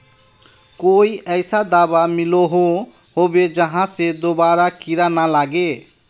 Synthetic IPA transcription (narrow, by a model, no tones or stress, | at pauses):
koiʔəjsad̪abamiloɦo | ɦobed͡ʒəɦãsed̪obaɾakiɾanalaɡe